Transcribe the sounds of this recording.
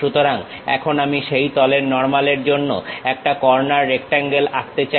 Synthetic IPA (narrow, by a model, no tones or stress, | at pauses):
ut̪oɾaŋ | ɛ̰kʰonamiʃejt̪ɔleɾnɔɾmaleɾd͡ʑonːo̰ɛk̚ʈakɔɾnaɾːekʈaŋɡelakt̪et͡ɕa